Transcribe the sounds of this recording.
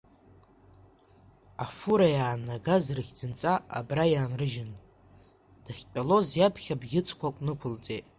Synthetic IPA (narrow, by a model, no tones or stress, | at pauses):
afuɾajaːnaɡazrɨχʲd͡zɨnt͡sʼaa̰brajaːnrɨʒɪn | d̥aχʲpʲʼalo̞zjapʰχʲabɡʲɪt͡sʰʼkʷakʷʼnɨkʷʰʊlt͡sʼetʼ